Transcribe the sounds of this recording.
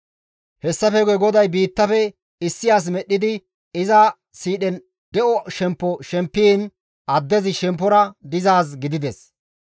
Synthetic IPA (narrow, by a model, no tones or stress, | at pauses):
hɛsːɐfɛɡɛɡɔd̪ɐjbiːt̪ːɐfɛ | ɪsːɪjaːs̬mɛɗːɪd̪ɪ | ɪzɐ | siːɗɛn | d̪ɛʔɔʃɛmpːɔʃɛmpːiːn | ʔɐd̪ːɛzɪʃɛmpːɔɾɐd̪ɪzaːs̬ɡɪd̪ɪd̪ɛs